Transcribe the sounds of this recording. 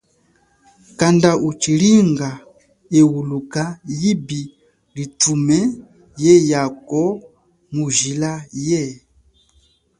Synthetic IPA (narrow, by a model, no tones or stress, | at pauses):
kandaut͡ʃiliŋɡa | ɛwulukajibi | litumɛ | jɛjakɔ | muʒilajɛ